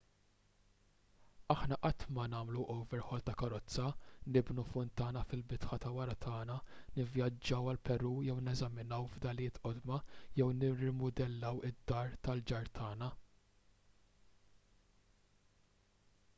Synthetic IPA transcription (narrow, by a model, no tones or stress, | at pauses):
ɐħnɐʔɐt̪mɐnɐːmluʔɔwvɛɾħɔlt̪ɐkɐɾɔt͡sːɐnɪbnufʊnt̪ɐːnɐfɪlbɪt̪ħɐt̪ɐwɐɾɐt̪ʰɐːnɐnɪvjɐd͡ʒːɐwɐlpɛɾuːjɛwnɛzɐmɪnɐwvd̪ɐlɪːt̪ʔɔd̪mɐjɛwnɪrɪmʊd̪ɛlːɐwɪd̪ːɐːɾt̪ɐld͡ʒɐɾt̪ʰɐːnɐ